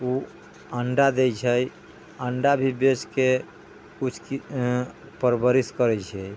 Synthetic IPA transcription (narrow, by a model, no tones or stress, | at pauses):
u | əɳɖad̪ɛjt͡ʃʰəj | əɳɖabʱibet͡ʃke | kut͡ʃʰk | pəɾbəɾiskəɾɛt͡ʃʰəj